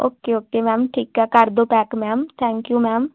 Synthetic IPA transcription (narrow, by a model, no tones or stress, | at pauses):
oːkeːoːkeːmɛːmʈʰiːkɛːkəɾd̪oːpɛːkmɛːmt̪ʰɛ̃ːŋkjuːmɛːm